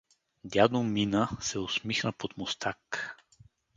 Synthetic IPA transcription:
d̪ʲjad̪ominəsɛosmixnəpot̪most̪ʰak

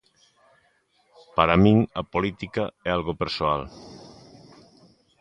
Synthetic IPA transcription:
paɾamĩŋapolit̪ikaɛalɣopeɾsoal

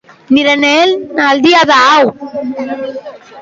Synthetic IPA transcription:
niɾɐneːlnald̪iaðaːw

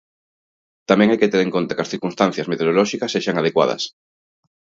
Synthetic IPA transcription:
t̪amɛ̃ŋajket̪eɾeŋkont̪akɐsθiɾkunst̪ãn̟θjɐzmet̪eoɾolɔʃikɐsːeʃaŋað̞ekwa̰ðɐ̰s

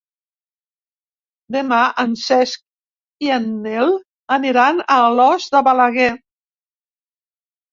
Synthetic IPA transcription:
d̪emaʔənsɛsk̚ | ianːel | əniɾanəlɔzd̪əβalaɣɛ

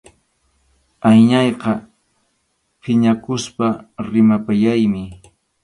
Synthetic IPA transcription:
ajɲɑjqɑ | pʰɪɲakʊspaɾɪmapajajmɪ

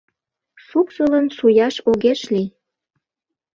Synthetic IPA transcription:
suksələnsujɑʃoɣeʃli

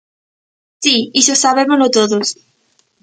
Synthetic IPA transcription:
siisosaβemozlot̪oðos

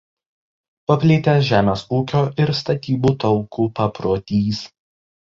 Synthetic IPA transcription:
pɐpʲlʲɪːt̪ʲɛʒʲæːmʲeːsuːkʲoːʔɪɾst̪ɐt̪ʲiːbuːt̪ɒʊkuːpɐpɾoːt̪ʲiːs

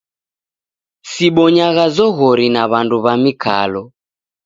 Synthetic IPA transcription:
siɓɔɲaɣazɔɣɔɾinaβanduβamikʰa̰lɔ

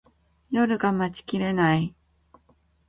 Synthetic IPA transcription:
jo̞ɾɯ̟ɡamat͡ɕi̥kʲiɾe̞nai

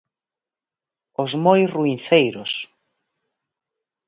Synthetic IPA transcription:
ʊzmojruinθejɾʊs

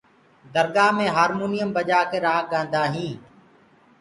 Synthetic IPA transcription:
d̪əɾɡaːmẽːɦaːɾmuːnijəmbəd͡ʒaːkeːɾaːɡãːnd̪aːɦĩː

